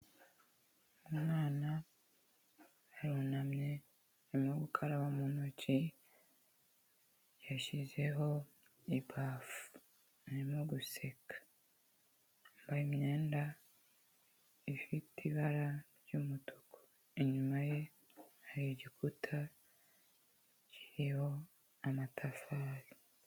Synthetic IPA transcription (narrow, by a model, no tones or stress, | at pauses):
umŋaːna | ɾunamɲe̞ | imŋoɡukʰaɾaβamunocʰi | jaʃize̞ɦo̞ | ibafu̥ | nimoɡuse̞kḁ | mbaimɲe̞ːnda | ifitiβaɾaɾjumuto̥kʰo̥ | iɲumaje̞ | haɾioɟikʰutʰa | ci̥ɾiho̞ | amatʰafaɾi